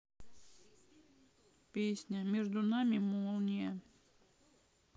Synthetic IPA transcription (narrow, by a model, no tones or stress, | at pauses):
pʲesʲnʲəmʲeʐd̪ʊnamʲɪmolˠnʲɪjə